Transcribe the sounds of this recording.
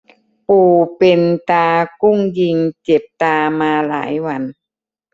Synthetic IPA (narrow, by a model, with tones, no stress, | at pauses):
puː˨˩pe˧nt̪aː˧ku˥˩ŋji˧ŋt͡ɕe˨˩p̚t̪aː˧maː˧la̰ː˩˦jwa˧n